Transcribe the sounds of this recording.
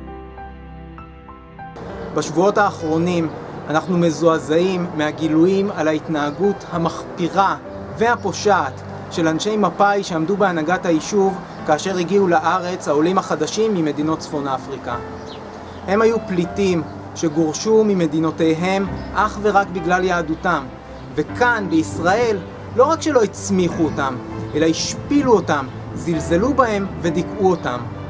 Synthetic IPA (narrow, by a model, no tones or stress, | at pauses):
baʃvuo̞thaːχʁo̞nimanaχnume̞zoazaimːehaɡilujimalaitnaːɡuthamaχpiʁa | ve̞hapo̞ʃaːt | ʃe̞lanʃe̞jmapajʃeamdubeanaɡathaiʃuv | kaːʃe̞ʁiɡiulaʔaʁe̞t͡shao̞limhaχadaʃimːime̞dino̞tt͡sfo̞nafʁika | he̞mhajuplitim | ʃe̞ɡoʁʃumime̞dino̞te̞jɦe̞mʔaχve̞ʁakbiɡlaljaːdutam | ve̞kanbeisʁae̞lː | o̞ʁakʃe̞lo̞it͡smiχuotamʔe̞laiʃpiluo̞tam | zilze̞lubahe̞mve̞dikuo̞tam